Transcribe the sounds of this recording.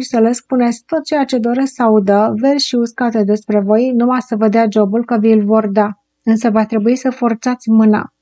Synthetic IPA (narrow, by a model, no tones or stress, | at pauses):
isele̞spune̞sʲkt̪o̞t̪̚t͡ʃe̞jat͡ʃe̞d̪o̞ɾe̞sksəaud̪əve̞rʲʃiuskat̪ed̪e̞spɾe̞vo̞jnumasəved̪ead͡ʒo̞bulkəvəjɨlvo̞rd̪a | ɨnsəvat̪ɾe̞buisəfo̞rt̪sat̪sʲmɨna̰